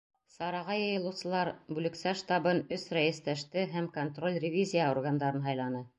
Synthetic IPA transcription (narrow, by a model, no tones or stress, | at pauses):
sɑɾɑʁɑjɤ̆jɤ̆lˠɤ̆sɤ̆lˠɑɾbʉlɘ̆ksæʃt̪ɑbɤnɵsræjɘ̆st̪æʃt̪ɘɦæmkont̪ro̞lʲrʲɪvʲizʲijəorɡand̪ɑɾɤnɦɑjlˠɑnɤ